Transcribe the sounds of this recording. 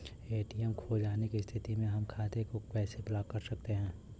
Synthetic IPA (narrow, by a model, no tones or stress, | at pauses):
eːʈijɛmkʰoːd͡ʒaːnekist̪ʰɪt̪imẽɦɐmkʰaːt̪ekopɛːseblaːkkɐɾsɐk̚t̪eɦɛ̃ː